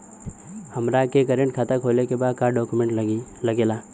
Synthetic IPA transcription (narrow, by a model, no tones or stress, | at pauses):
həmɾakekəɾẽɳʈkʰaːt̪akʰoːlekebaːd̪̚kaɖɔːkumẽɳʈləɡelaː